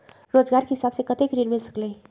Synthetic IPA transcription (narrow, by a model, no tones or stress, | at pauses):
ɾod͡ʒɡaɾkeɦisabsekət̪ekɾiɾmilsə̥klẽ